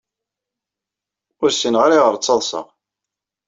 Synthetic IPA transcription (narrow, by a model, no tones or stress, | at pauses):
ʊɾsənʁaɾaʁəɾt͡sːɑðˤsə̰ʁ